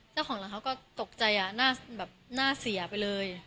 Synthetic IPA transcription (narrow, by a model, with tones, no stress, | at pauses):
t͡ɕa˥˩wʰɔː˩˦ŋlaː˧˩kʰa˦˥wkɔː˥˩t̪o˨˩k̚t͡ɕa˧jʔa˨˩naː˥˩bɛː˨˩p̚naː˥˩si˨˩˦ɐpa˧jlɤː˧j